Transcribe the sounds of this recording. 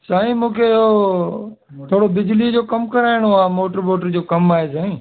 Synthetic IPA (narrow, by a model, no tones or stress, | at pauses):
saːɦĩmũːkʰeɪɦo | t̪ʰoːɽobɪd͡ʑlid͡ʑoːkɐmkɐɾaːɪɽ̃oaːmoːʈəɾboːʈəɾd͡ʑoːkɐmaːɦesãːĩː